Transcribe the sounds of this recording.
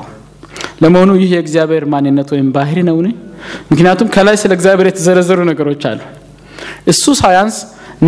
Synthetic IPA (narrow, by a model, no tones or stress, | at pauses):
ləməho̞nujɪhjɛɨɡzijaβeɾmanːɨnːət̪wɔjɪmbaɦɾinəwnɨɲmɨknijat̪ʰumkʰəlajsɨləɨɡzijaβe̞ɾjɛt̪ʰəzəɾəzːəɾunəɡəɾo̞t͡ʃːa̰lːu | ʔɨsːusajans | n